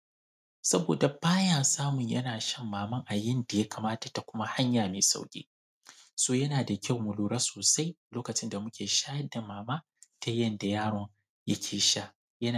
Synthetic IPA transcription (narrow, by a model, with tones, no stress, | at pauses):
sɐ˦boː˨da˨ɸaː˦jaː˨saː˦mʊ˨ɲjɐ̰˦naː˨ʃɐ˦mːaː˨mɐ˦ŋʔa˨jɪ˦nda˨ja˦kaː˨maː˦ta˨ta˨kʷʊ˦ma˦ha˦ɲjaː˨meː˨sa̰˦wkʲʼḛː˦ | soː˦jɐ˦naː˨da˨kʲa˦˨wmʊ˨luː˦ɾɐ˦soː˨sa˦jloː˦kɐ˨t͡ʃɪ˦nda˨mʊ˦kʲeː˨ʃaː˦jɐ˦da˨maː˨maː˦ | tʰa˦jɐ˦nda˨jaː˦ɽɔ˨ŋ | ja̰˦kʲʰeː˨ʃa˦ | jɐ˦n˨